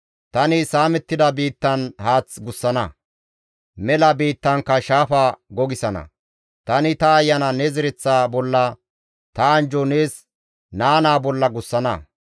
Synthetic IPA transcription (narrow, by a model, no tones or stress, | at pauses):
t̪ɐnɪsaːmɛt̪ːɪd̪ɐbiːt̪ːɐnhaːt͡sɡʊsːɐnɐ | mɛlɐbiːt̪ːɐŋkːɐʃaːfaːɡɔɡɪsɐnɐ̰ | t̪ɐnɪt̪ɐːjːɐnɐnɛzɪɾɪt͡sːaːbɔlːɐ | t̪ɐːnd͡ʒɔne̞ːs | naːnaːbɔlːɐɡʊsːɐnɐ̰